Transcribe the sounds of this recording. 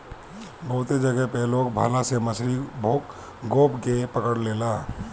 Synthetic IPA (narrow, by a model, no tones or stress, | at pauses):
bəɦʊt̪ed͡ʒəɡɛpelokbʱa̰laseməsʰɾibʱok | ɡopkepəkəɽlela